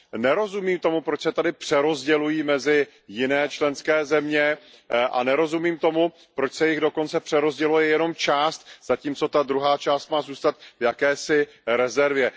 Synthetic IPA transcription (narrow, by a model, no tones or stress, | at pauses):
nɛɾo̞zumiːmt̪o̞mupɾo̞t͡ʃsɛt̪adɪpr̥ɛɾo̞zɟɛlujiːmɛzɪ | jɪnɛːt͡ʃlɛnskɛːzɛmɲɛ | ʔa̰nɛɾo̞zumiːmt̪o̞mu | pɾo̞t͡ʃsɛjɪɣdo̞ko̞nt͡sɛpr̥ɛɾo̞zɟɛlujɛjɛno̞mt͡ʃaːst̪z̥aciːmt͡so̞t̪ad̪ɾuɦaːt͡ʃaːst̪maːzuːst̪at̪vjakɛːsɪ | ɾɛzɛɾvjɛ